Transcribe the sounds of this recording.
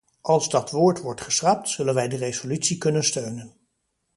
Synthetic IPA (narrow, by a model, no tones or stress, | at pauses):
ʔɑlˠzdɑtʋʊːɹtʋɔɹtχəsrɑp̚tsɵlənʋɛjdərezolytsikɵnənstøɥnən